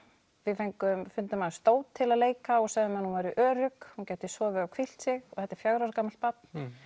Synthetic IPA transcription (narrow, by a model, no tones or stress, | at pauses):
vɪðfejŋkʏmfʏnt̪ʏmaðst̪oːwt̪ʰːɪlaðleːjkaɔɣsaɣðʏmanhunvaɾiʔœːɾʏkhuncɛːt̪ɪsvɔvɛakʰvil̥t̪sɪɣɔθɛht̪ːɛ̥ɾ̥fjaɣɾaɾkaːmalt̪̚pat̪̚n̥